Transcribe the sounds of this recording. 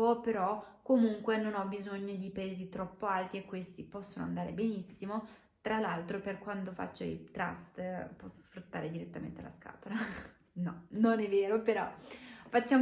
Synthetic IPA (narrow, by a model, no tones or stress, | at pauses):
opeɾɔkːomuŋkwenonɔbːizoɲːod̪ipaeːzit̪ɾɔpːoalt̪iekːwest̪ipɔsːonoa̰nd̪aːɾebenisːimo | t̪ɾalalt̪ɾoperkwant̪ofa̰t͡ʃːoḭt̪ɾa̰st̪pɔsːosfɾut̪ːaːɾed̪iɾet̪ːamḛnt̪ea̰la̰ska̰ːt̪ola | nɔnonɛvːeːɾopeɾɔ̰fat͡ʃːaːm